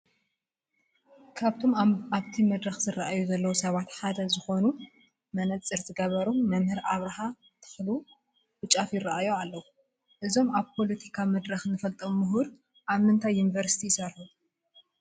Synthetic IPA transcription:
kʰaβt̪ʰo̞maβt̪ʰimɐd̪ɾɐxzɨraʔajuzɐlːɐwusɐβat̪ħad̪ɐzɨxo̞nu | mɐnɐt͡sʼɨɾzɨɡɐβɐɾumɐmhɨɾʔaβɾɐɦa | t̪ʰɨ̥xlu | wɨt͡ʃʼafjɪraʔajoalːɐwu | ʔɨzo̞maβpʰo̞lɐt̪ʰikʰamɐd̪ɾɐxnɨfɐlt̪ʼɐmʊɦuɾ | ʔaβmɨnt̪ʰajːunivɐɾsit̪ʰijɪsɐɾħu

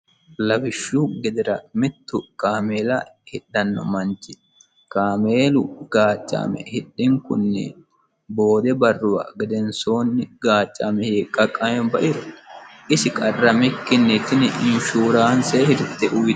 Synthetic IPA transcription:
lɐfɪʃːuɡɛd̪ɪɾɐmɪt̪ːʊkaːmeːlɐhɪɗːɐnːɔ̰mɐnt͡ʃːɪ̥ | kaːmeːlʊɡaːt͡ʃʼːa̰ːmɛ̰hɪɗːɪŋkʊ̰nːɛ̰ | bo̞ːd̪ɛbɐrːʊwa̰ːɡɛd̪ɛnso̞ːnːɪɡaːt͡ʃʼːaːmɛheːkʼːɐkʼːɐmɛnbɐʔɪɾɔʔɪsɪkʼɐrːɐmɪkːɪnːɛt͡ʃ̪ːɪnɛʔɪnʃuːɾaːnseːhɪɾt̪ːɛʔʊj̪

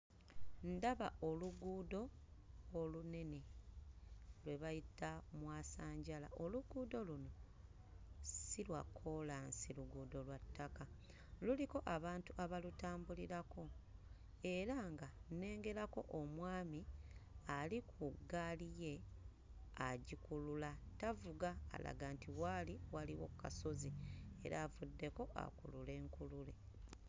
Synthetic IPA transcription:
ndaβaʔo̞luɡuːdo̞ː | lune̞ne̞ | lwe̞βajitamwaːsaːɲɟala̰ʔo̞luɡuːdo̞luno̞ | silwakʰo̞lansiluɡuːdo̞lwatʰːaka | luliko̞ʔaβaːntuʔaβalutaːmbuliɾako̞ | e̞ɾaŋɡane̞ːŋɡe̞ɾako̞̰ʔomwaːmialikʰuɡalije̞ | aɟikululatavuɡa̰ːla̰ɡaːntiwaliwaliwo̞̰kukaso̞zie̞̰ɾaːvudːe̞ko̞ʔa̰kṵlule̞ːŋkulule̞

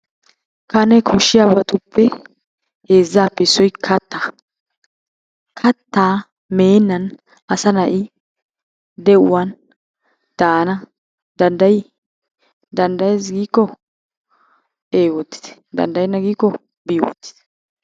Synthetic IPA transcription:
kɐnɛkʰʊʃːɪjabɐt̪ʊpʰːɛ | heːzːaːpːɛsːɔjkʰɐt̪ːaː | kʰɐt̪ːaː | me̞ːnːɐn | ɐsɐnɐʔɪ | d̪ɛʔʊwɐn | d̪̥aːnɐ | d̪̥ɐnd̪ɐj | d̪ɐnd̪ɐjes̬ɡiːkːɔ | eːwɔt̪ːɪ̥t̪ɛ̥d̪ɐ̰nd̪ɐjɪnɐɡiːkːɔ | biːwɔ̰t̪ːɪ̥t̪ɛ̥

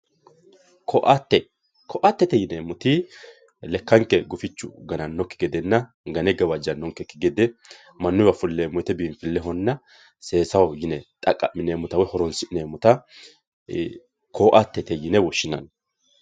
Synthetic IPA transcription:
kʰɔʔt̪ːɛ | kʰɔʔat̪ːɛt̪ɛjɪnemʊt̪ɪ | lɛkːɐŋkːɛɡʊfɪt͡ʃːʊ̰ɡɐnɐnːɔkːɪ̥ɡɛd̪ɛnːɐ | ɡɐnɛɡɐwɐd͡ʒɐnːɔŋkːɛkːɪɡɛd̪ɛ | mɐnːʊjwɐfʊlːeːmʊɛt̪ɛbiːnfɪlːɛɦɔnːɐ | se̞ːsɐwɔjɪnɛt̪ʼɐkʼːɐmːɪneːmːʊt̪ɐwɔjhɔɾɔnsɪneːmːʊt̪ɐ | kʰoːʔɐt̪ːɛt̪ɛjɪnɛwɔʃːɪnɐn

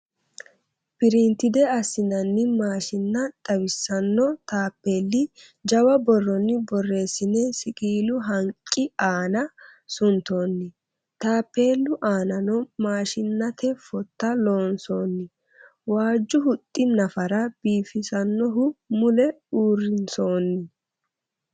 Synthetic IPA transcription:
pɪɾint̪ɪd̪ɛɐsːɪnɐnːɪmaːʃɪnːɐt̪ʼɐwɪsːɐnːɔt̪aːpːe̞ːlːɪ | d͡ʒɐwɐbɔrːɔnːɪbɔrːe̞ːsɪnːɛsɪkʼiːlʊɦɐŋkʼːɪaːnɐsʊnt̪o̞ːnːɪ | t̪aːpːe̞ːlːʊʔaːnɐnɔmaːʃɪnːɐt̪ɛfɔt̪ːɐlo̞ːnso̞ːnːɪ | waːd͡ʒːʊhʊt̪ʼːɪnɐfɐɾɐb̥iːfɪsɐnːɔɦʊmʊlɛ | uːrɪnso̞ːnːɪ

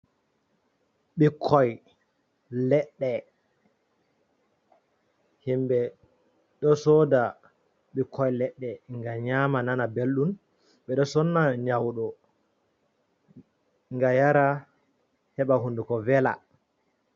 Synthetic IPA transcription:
ɓikʰːɔj | lɛɗːɛ | himɓɛ | ɗɔsɔda | ɓikʰːɔjlɛɗːɛŋɡaɲamananabelɗun | ɓɛɗɔsɔnːaɲawɗɔ | ŋɡajaɾa | hɛɓahundukɔvɛla̰

